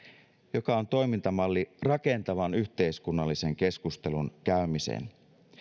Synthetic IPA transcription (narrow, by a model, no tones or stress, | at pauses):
jo̞kɑo̞nt̪o̞jmint̪ɑmɑlːirɑke̞nt̪ɑʋɑnyçt̪e̞iskunːɑlːise̞ŋk̟e̞skust̪e̞lunkæymisḛn